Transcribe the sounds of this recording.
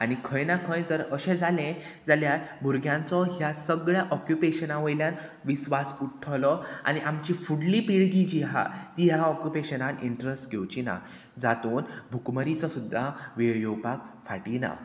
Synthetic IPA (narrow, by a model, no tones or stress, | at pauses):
aɽ̃ikʰə̃jnakʰəjd͡zəɾəɕẽd͡zʱalẽ | d͡zaljaɾbʱuɾɡʱjãnt͡sɔɦjasəɡɭjaʔɔkjupeɕənaʋəjljãnʋisʋasuʈʰːlɔa̰ɽ̃iʔamt͡ɕifuɽlipiɭɡid͡ʑiɦa̰t̪iɦaɔkjupeɕənaniɳʈɾesʈɡewt͡ɕina̰ | d͡zat̪uːnbʱukməɾit͡sɔsud̪ʱːaʋeɭjowpak̚fa̰ʈina̰